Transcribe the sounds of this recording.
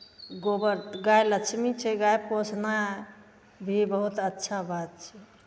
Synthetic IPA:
ɡobəɾɡajləkt͡ʃʰmit͡ʃʰɛɡajposʰna | bʱibəɦut̪ətːʃʰabat̪̚t͡ʃʰɛ

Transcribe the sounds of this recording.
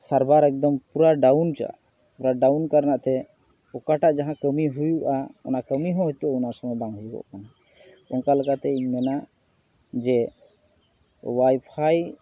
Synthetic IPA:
saɾbaɾɛk̚d̪ɔmpuɾaɖawnt͡ʃa̰ʔ | puɾaɖawnkaɾnaʔt̪ɛ | ɔkaʈaʔd͡ʒaɦãkəmiɦujuʔaɔ̰nakəmiɦɔ̃ɦɔt̪uɔnaɾsɔŋɔbaŋɦjuɡɔ̰ʔkana | ɔnkalɛkat̪ɛiɲmɛna | d͡ʒɛ | wajpʰaj

